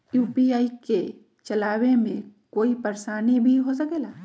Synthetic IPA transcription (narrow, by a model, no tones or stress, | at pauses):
juːpiaːike | t͡ʃɐlaːwemẽkoːipɐɾsaːnibʱiɦos̬ɐkeːlaː